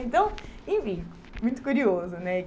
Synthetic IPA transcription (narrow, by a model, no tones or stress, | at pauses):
ẽnt̪ɐ̃w̃ẽviku | mũj̃t̪u̥kuɾiozunɛ